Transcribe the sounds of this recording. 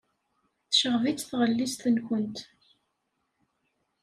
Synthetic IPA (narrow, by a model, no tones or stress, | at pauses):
θʃəʁvit͡sːθʁəlːist̪ənkənt̪